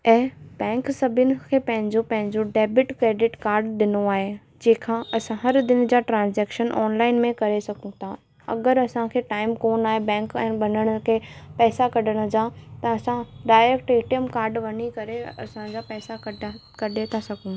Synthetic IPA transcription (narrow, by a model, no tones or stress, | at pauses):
ɛ̃ːbɛ̃ːŋksɐbʱɪnɪ̆kʰeːpɐ̃ɦɪ̃ɲd͡ʑopɐ̃ɦɪ̃ɲd͡ʑoɖeːbɪʈkɾeːɖɪʈkaːɾɖd̪ɪnoaːɦe | d͡ʑeːkʰãɐsãɦɐɾd̪ɪn̆d͡ʑaːʈɾãːnzɛːkʃənʔɔːnlaːɪnmẽkɐɾesɐɡũt̪ʰa | ɐ̰ɡəɾɐsãkʰeːʈaːɪmkoːnaːɦebɛ̃ːŋkɛ̃ːɓɐnəɽ̃ʊkʰeːpɛːsakɐɗəɽ̃əd͡ʑaːt̪ɐɐsãɖaːɪɾɛkʈeːʈijəmkaːɾɖʋɐɲikɐɾeɐsãd͡ʑapɛːsakkɐɗet̪ʰasɐɡʱũ